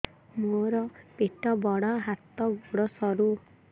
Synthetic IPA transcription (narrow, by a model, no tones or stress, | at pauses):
moɾɔpeʈɔbɔɽɔɦat̪ɔɡoɽɔsɔɾu